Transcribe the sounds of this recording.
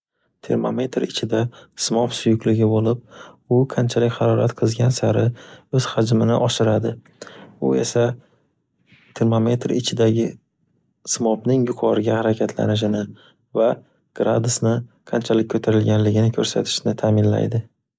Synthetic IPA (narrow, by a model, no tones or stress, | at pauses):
t̪ʰe̞ɾmo̰me̞t̪ɾɪt͡ʃʰɪd̪asmɒpsʊjʊkʲlɪɡʲɪbolɪp̚ | ʊqʰant͡ʃʰalɪkʲhaɾɒɾa̰t̪qʰɨzɡʲansaɾɪɵz̥had͡ʒmɪnɪʔɒʃɪɾad̪ɪ | ʊ̰e̞̰sa | t̪ʰe̞ɾmome̞t̪ɾɪ̰t͡ʃʰɪd̪aɡʲɪ | smɒpnɪŋjʊqʰɒɾɪɡʲahaɾakʲʰat̪ʰla̰nɪʃ̬ɪnɪ | va | ɡ̥ɾa̰d̪ʊsnɪ | qʰant͡ʃʰalɪk̚ʲʰːɵt̪ʰaɾɪlɡʲanlɪɡʲɪnɪkʰɵɾsa̰t̪ʰɪ̥ʃnɪt̪ʰaːmɪnla̰jd̪ɪ